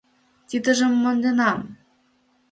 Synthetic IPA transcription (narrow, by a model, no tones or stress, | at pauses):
t̪ʲid̪ɘ̆ʒĕmːɤ̆nd̪enɑm